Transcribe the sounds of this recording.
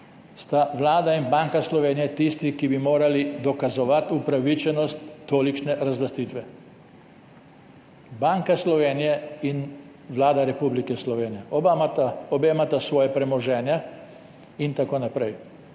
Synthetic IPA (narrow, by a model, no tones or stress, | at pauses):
st̪aʋlaːd̪ainbaːŋkaslɔʋeːnijɛt̪ist̪ikibimoːɾalid̪ɔkazɔʋat̪upɾaʋit͡ʃɛnɔst̪ːoːlit͡ʃnɛɾazlast̪iːt̪ʋɛ | baŋkaslɔʋeːnijɛin | ʋlaːd̪aɾɛpublikɛslɔʋeːnijɛ | ɔbemat̪asʋɔːjɛpɾɛmɔʒɛːnja | int̪akoːnapɾɛj